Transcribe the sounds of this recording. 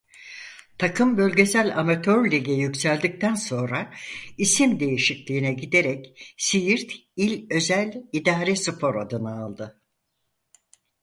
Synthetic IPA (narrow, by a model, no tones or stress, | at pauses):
t̪ʰakʰɯmbø̞lʲɟe̞sælʲamat̪ʰøɾlʲiɟɛjycsælʲd̪ic̚t̪ʰænso̞nɾaisimd̪e̞jiʃiclʲiːinɛɟid̪e̞ɾɛcsijiɾt̪ilʲø̞zælʲid̪aːɾɛsɨpʰo̞ɾad̪ɯnaːlˠd̪ɯ